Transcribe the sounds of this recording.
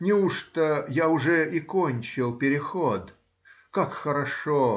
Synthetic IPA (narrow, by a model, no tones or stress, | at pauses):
nʲɪuʂt̪əjaʊʐɛʔɪkonʲt͡ɕɪlˠpʲɪɾʲɪxod̪ | kakxəɾɐʂo